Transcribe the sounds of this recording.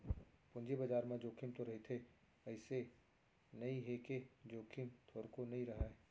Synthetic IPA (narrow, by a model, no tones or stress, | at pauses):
pʊ̃nd͡ʒebɐd͡ʒaːɾmẽd͡ʒoːkʰɪmt̪oɾɐɦet̪ʰe | ɐɪse | nɐĩɦeked͡ʒoːkʰɪmt̪ʰoːɾkonɐĩɾɐɦaɛ